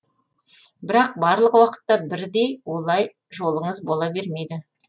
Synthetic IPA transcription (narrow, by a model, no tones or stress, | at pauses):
bɪɾɑq̚bɑɾlˠəqwɑqə̥t̪ːɑbɪɾd̪e̞jwo̞lˠɑj | ʒo̞lˠəɴəzbo̞lˠɑbe̞ɾme̞jd̪ɪ